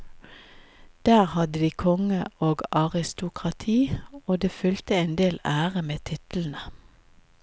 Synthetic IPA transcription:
d̪̥æːʁhɑd̪əd̪iːkʰɔŋəʔoːɡɑʁɪst̪ʊkʁɑt̪ʰiːoːd̪eːfʏlt̪əɛːnd̪eːlæːʁəmeːt̪ʰɪt̪l̩n̩ə

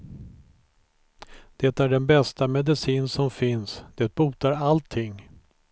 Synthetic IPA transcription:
d̪̥ɛt̪æɖɛnbɛst̪amɛd̪ɪsiːnsɔmfɪnsd̪̥ɛt̪̚buːt̪aɾalt̪ʰːɪŋː

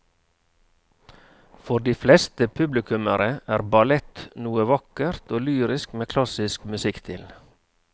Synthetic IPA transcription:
fɔɾd̪iːflɛst̪əpʰʉblɪkʉməɾəæːɾbɑlɛt̪nuːəʋɑkəɾt̪oːlyːɾɪskmeːkʰlɑsɪskmʉsɪkt̪ʰɪ̰l

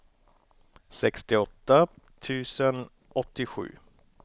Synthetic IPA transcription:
sɛkst̪ɪɔt̪ːat̪ʰʉ̟ːsən | ɔt̪ːɪɧʉ̟̰ː

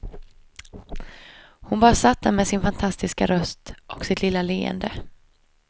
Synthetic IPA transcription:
hʊnbɑːɾasat̪ʰːəmɛsɪnfant̪ʰast̪ɪska̰ɾœst̪ʔɔksɪt̪lɪlːaleːɛ̰nd̪ə

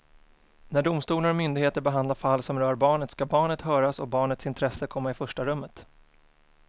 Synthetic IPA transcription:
næɖʊmst̪uːlaɾɔmʏnd̪ɪɡheːt̪əɾbɛɦand̪laɾfalːsɔmɾœːɾbɑːɳət̪skabɑːɳət̪hœːɾasɔbɑːɳət̪sɪnt̪ʰɾɛsːəkʰɔmːaɪfœʂʈaɾɵmːət̪

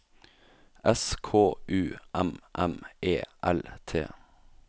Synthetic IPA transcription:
ʔɛskʰoːʔʉːʔɛmʔɛmeːʔɛlt̪ʰḛː

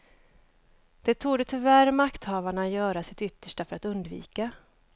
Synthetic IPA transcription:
d̪̥ɛt̪ʰuːd̪ət̪ʰʏvæɾmakt̪hɑːvaɳajœːɾasɪt̪ʏt̪ːə̥ʂʈafœɾat̪ɵnd̪vḭːka

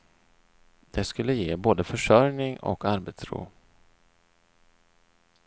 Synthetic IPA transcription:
d̪̥ɛskɵlːəjeːboːd̪əfœʂœɾnɪŋɔ̰kaɾbɛt̪sɾṵː

